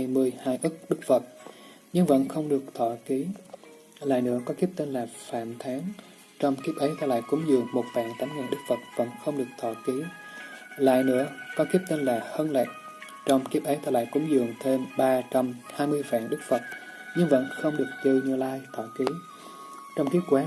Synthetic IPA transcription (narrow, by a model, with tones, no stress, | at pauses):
jmɨ˧əjhaː˧jʔɨ˦˥k̚ɗɨ˦˥k̚fə˨˩t̚ | ɲɨ˧ŋvə̰˧˥nxə˧wŋ͡mɗɨ˨˩ək̚t̪ʰɔ˧˩ki˨˦ | la̰ː˧˨jnɨ̰˧˥əkɔ˨˦ki˦˥p̚t̪i˧nlaː˨˩fa̰ː˧˨mt̪ʰaː˨˦ŋ | t͡ɕɔ˧wŋ͡mki˦˥əp̚ʔə˨˦jt̪ʰaː˧˩la̰ː˧˨jkʊ˨˧˦ŋ͡mzɨ˨˩əŋmo˨˩t̚fa̰ː˧˨ŋt̪a˨˦nŋa˨˩nɗɨ˦˥k̚fə˨˩t̚və̰˧˥nxə˧wŋ͡mɗɨ˨˩ək̚t̪ʰɔ̰˧˩ki˨˦ | la̰ː˧˨jnɨ̰˧˥əkɔ˨˦ki˦˥əp̚t̪i˧nlaː˨˩həː˧nlɛ˨˩t̚ | t͡ɕɔ˧wŋ͡mki˦˥p̚ʔə˨˦jt̪ʰaː˧˩la̰ː˧˨jkʊ˨˦ŋ͡mzɨ̰˨˩əŋt̪ʰe˧nɓaː˧t͡ɕa˧mhaː˧jmɨ˧əjfa̰ː˧˨nɗɨ˦˥k̚fə˨˩t̚ | ɲɨ˧ŋvə̰˧˥nxə˧wŋ͡mɗɨ˨˩ək̚t̪i˧ɲɨ˧laː˧jt̪ʰɔ̰˧˩ki˨˦ | t͡ɕɔ˧wŋ͡mki˦˥əkwaː˨˦